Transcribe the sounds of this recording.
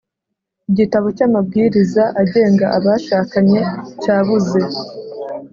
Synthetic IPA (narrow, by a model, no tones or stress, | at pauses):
iɟitaβo̞camab̚ɡiːɾizaʔaɟe̞ːŋɡaʔaβaʃaːkaɲe̞caːβuze̞